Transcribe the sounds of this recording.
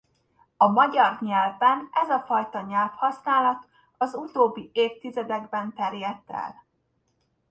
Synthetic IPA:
ɒmɒɟɒrɲɛlvbɛnʔɛzɒfɒjt̪ɒɲɛlfhɒsnaːlɒt̪ | ɒzut̪oːbːieːft̪izɛd̪ɛɡbɛnt̪ɛrjɛt̪ːɛ̰l

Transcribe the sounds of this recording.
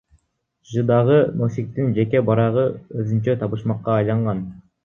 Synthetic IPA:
ʒɯd̪ɑʁɯno̞sʲik̚t̪ind͡ʒe̞ke̞bɑɾɑʁɯøzynt͡ʃøt̪ʰɑβɯʃmɑqːɑːjlˠɑɴʁɑn

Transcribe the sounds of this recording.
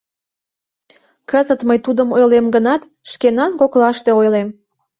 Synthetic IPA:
kəzət̪məjt̪ud̪əmojlemɡənɑt̪ | ʃkenɑnkoklɑʃt̪eojlem

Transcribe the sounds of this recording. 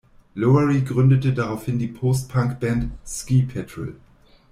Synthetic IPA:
loəʁiɡʁʏndətədaʁaʊfhɪndiːpʰoːst̚pʰaŋkb̥ɛntskiːpʰɛtʁə̰l

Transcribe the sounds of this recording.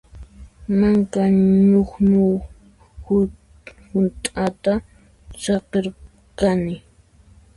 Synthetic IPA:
maŋkaɲoχɲʊ | hʊnt̪ʼat̪a | sɑqeɾ | kanɪ

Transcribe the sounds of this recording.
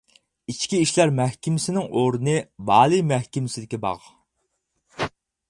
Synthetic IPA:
it͡ʃkʲiiʃlæɾmɛhkʲimɪsɪnɪŋʔoɾɨnɨbɑːlˠɨjmæhkʲimɪsɪd̪ɪkʲɛbɑ̰ʁ

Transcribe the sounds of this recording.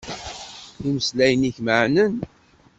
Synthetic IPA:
iməslæjəniçməʕnən

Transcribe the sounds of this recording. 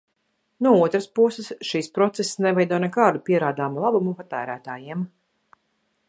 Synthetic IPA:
nuɔuɔt̪ɾaspusɛsʃiːspɾɔt̪sessnɛvɛjd̪ɔɔnɛkaːɾd̪upʲiɛɾaːd̪aːmulˠabumupat̪æːɾæːt̪aːjiɛm

